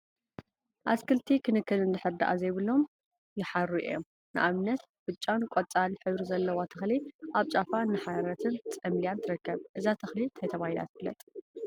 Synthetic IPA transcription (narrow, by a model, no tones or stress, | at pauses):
ʔaskʰɨlt̪ʰikʰɨnɨkːɨlɨnd̪ɨħɨɾd̪a̰ʔa̰zɐjβɨlːo̞m | jɪħaɾuʔḭjo̰m | nɨʔaβnːɐt̪ | bɨt͡ʃʼːankʷʼot͡sʼalħɨβɾizɐlːɐwat̪ʰɐxliʔaβt͡ʃʼafaɨnːɨħaɾɐt̪ʰɨnt͡sʼɐmlijant̪ʰɨɾɨkːɐβʔɨzat̪ʰɐxlit̪ʰɐjt̪ʰɐβahila̰t̪blɐ̰t̪ʼ